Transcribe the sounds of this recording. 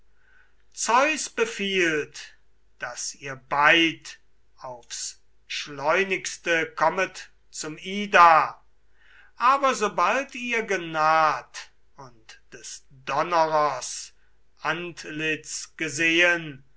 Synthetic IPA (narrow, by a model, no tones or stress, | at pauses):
t͡sɔʏsb̥əfiːlt | d̥asiːɐbaɪt | aʊfs | ʃlɔʏnɪkstəkʰɔmət | t͡sʊmiːda | ʔaːbɐzoːbaltiːɐɡənaːt | ʊntd̥ɛs | d̥ɔnəʁɐs | ʔantlɪt͡sɡ̥əzeːən